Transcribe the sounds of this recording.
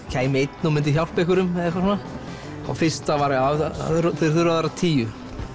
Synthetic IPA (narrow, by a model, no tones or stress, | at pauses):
cʰaːjmejt̪numɪnt̪ɪçjawl̥pɛhkʏɾʏmɛɛkvaɾsɔna | a̰wfɪrst̪avaɾɪaa̰ðɾθe̥θʏɾaðaɾat̪ʰiːjʏ